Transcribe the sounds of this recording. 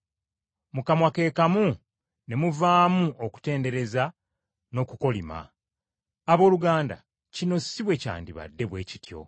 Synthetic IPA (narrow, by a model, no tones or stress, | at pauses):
mukamwake̞ːkamu | ne̞muvaːmuoku̥te̞ːnde̞ɾe̞za | no̞kuko̞lima̰ː | βo̞ːluɡaːnda̰ | cino̞siβwe̞ca̰ːndiβa̰dːe̞βwe̞ːci̥tjo̞̰